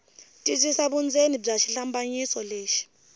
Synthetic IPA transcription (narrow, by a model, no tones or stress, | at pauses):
tʼizisaɓund͡zʱenib͡ʐaʃiɬambʼaɲisɔleːʃi̥